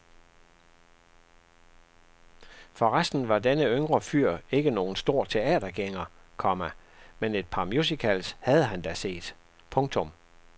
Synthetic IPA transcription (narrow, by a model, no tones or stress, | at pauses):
fɒ̽ʁasd̥n̩ʋɑ̈denəøŋʁɐfyɐ̰e̝ɡ̥əno̝ːn̩sd̥o̝ɐ̰t͡sʰe̝ɛ̰ːd̥ɐɡ̥eŋɐkʰɒ̽mæmene̝d̥̚pʰɑ̈mjusikʰælshæð̞̩ˠəɦænd̥æse̝̰ːd̥ | pʰɔ̽ŋt͡sʰɔ̽m